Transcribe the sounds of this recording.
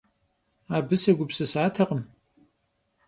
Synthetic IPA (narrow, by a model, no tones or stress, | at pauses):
aːbɨsɐɡʷʊpsɨsaːtʰɐqəm